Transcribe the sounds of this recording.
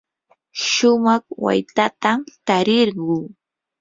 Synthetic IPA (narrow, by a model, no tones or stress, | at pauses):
ʃʊmɑχwa̰jt̪at̪amt̪aɾɪɾɢuː